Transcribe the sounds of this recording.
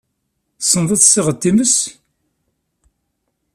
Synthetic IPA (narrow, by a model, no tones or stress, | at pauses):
sənðˤɑθsiʁət̪ːiməs